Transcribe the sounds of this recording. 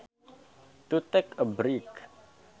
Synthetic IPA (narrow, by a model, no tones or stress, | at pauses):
t̪ut̪ɛkəbɾik